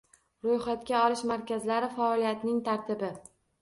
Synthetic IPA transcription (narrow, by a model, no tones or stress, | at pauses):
ɾojχat̪kʲaɒlɪʃmaɾkʲazlaɾɪfaɒlijat̪nɪŋt̪ʰaɾt̪ʰɪbɪ